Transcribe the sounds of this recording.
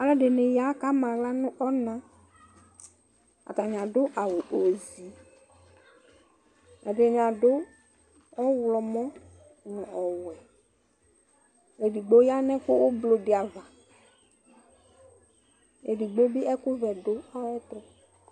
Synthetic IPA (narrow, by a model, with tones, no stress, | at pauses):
a˨lɛ˦ɖe˨ne˨ja˨˦ka˦mã˨ɡla˦nʊ̃˦ʔɔ˦nã˦ | a̰˨t̪a˨ɲ˨ã˨ɖʊ˦ʔa˨we˨ʔo˨zi˨˦ | ɛ˨ɖe˨ɲ˨a˨ɖo˦ | ɔ˦wlɔ˨mɔ̃˦ | nʊ̃˨ɔ˨wɛ˨ | e˨di˨ɡ͡bo˦ja˦nɛ̃˦kʊ˦wʊ˦blo˨dɪ˨a˨va˨ | ḛ˨di˨ɡ͡bo˦bi˦ɛ˦kʊ˦vɛ˨ɖo˦a˦ɛ˦t̪ʊ˦